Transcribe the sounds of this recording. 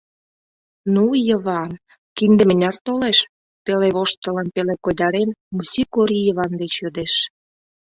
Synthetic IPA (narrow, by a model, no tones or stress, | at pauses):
nujə̆βɑn | kind̪ə̆mə̆nʲɑrt̪oleʃ | peleβoʃt̪ə̆lə̆npelekojd̪ɑɾenmusʲikoɾʲijəβɑnd̪et͡ɕjød̪eʃ